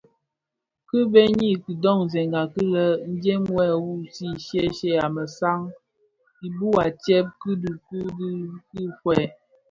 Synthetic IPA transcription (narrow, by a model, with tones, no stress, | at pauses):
kɨ˦be˦ɲi˦ki˨dɔ˦˨ŋ˨zɛ˨ŋɡa˨ki˦lə˦n̩˦d͡ʒe˦mwɛ˦˨wu˦˨si˦˨ʃjɛ˦ʃɛ˦˨a˨mə˨sa˦ŋ | i˨bu˦a˨tɛ˦p̚kɨ˦du˨ku˦di˦kɨ˦fwɛ˨